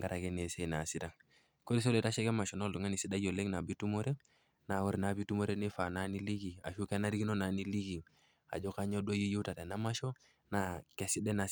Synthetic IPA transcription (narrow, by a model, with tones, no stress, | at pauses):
ŋɡa˦ɾa˨kɛ˦ne˨se˦˨na˨si˦ta˨ | ko˦ɾi˦s̬o˦lɛ˦ta˦ʃɛ˦kɛ˦ma˨ʃɔ˨no˦ldu˨ŋa˦ni˨si˦da˦jo˨le˦ŋna˨bi˦tu˦mo˦ɾɛ˦ | na˨wɔ˦ɾna˨˦bi˦tu˦mo˦ɾe˦ni˦fa˨na˦ni˦li˦ɡi˨a̰˨ʃu˦ke˦na˦ɾiɡi˦no˦na˨ni˦li˦ɡi˨ | a̰˨d͡ʒɔ˦ka˦ɲo˦do˦ji˦ju˦ta˨de˨na˦ma˦ʃɔ˦ | na˨ke˨si˦dɛ˦na˨